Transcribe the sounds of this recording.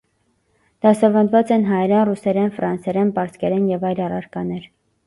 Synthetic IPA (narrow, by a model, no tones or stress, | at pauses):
d̪̥ɑsɑvɑnd̪vɑt͡sɛnɦɑjɛɾɛnrusɛɾɛnfɾɑnsɛɾɛnpɑɾskɛɾɛnjɛvɑjlɑrɑ̰ɾkɑnɛɾ